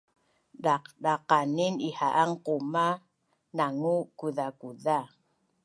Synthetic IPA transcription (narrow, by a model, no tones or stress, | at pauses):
daqdaqaninihaʔaŋquma | naŋukuðakuða